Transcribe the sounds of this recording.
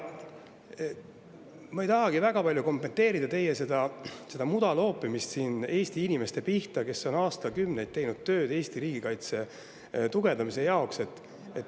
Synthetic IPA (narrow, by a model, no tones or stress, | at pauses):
mɑejt̪ɑɦɑɡ̥ivæɡ̥ɑpɑlʲjuko̞mpːe̞nt̪e̞ːɾid̪ɑt̪e̞jese̞d̪̥ɑse̞d̪ɑmud̪ɑlo̞ːpːˑimist̪siːne̞ːst̪iinime̞st̪e̞piht̪ɑke̞so̞nɑːst̪ɑkymne̞jd̪̚t̪ːe̞jnud̪̥̚t̪ːø̞ːd̪e̞ːst̪iɾiːɡ̥ikɑjt̪se̞ | t̪uɡ̥e̞nd̪ɑmise̞jɑokse̞t̪ːˑ | et̪ː